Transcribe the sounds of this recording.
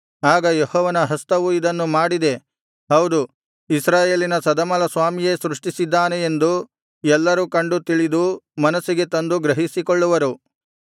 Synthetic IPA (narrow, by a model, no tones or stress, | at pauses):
aːɡɐjehɔːʋɐnɐɦɐst̪ɐʋuid̪ɐnːumaːɽid̪e̞ | ɦɐwd̪u | isɾaːje̞ːlinɐsɐd̪ɐmɐlɐsʋaːmije̞sɾuʂʈisid̪ːaːne̞end̪u | ɛlːɐɾukɐɳɖut̪iɭid̪umɐnɐsiɡe̞t̪ɐnd̪uɡɾɐɦisikɔɭːuʋɐɾu